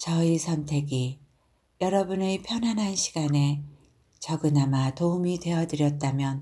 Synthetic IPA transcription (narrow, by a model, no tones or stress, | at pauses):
t͡ɕʌisʰʌntʰe̞ɡi | jʌɾʌbunepʰjʌnɦanɦanɕʰi̥ɡane̞ | t͡ɕʌɡɯnamatoumidwe̞ʌdɯɾjʌt̚t͈amjʌn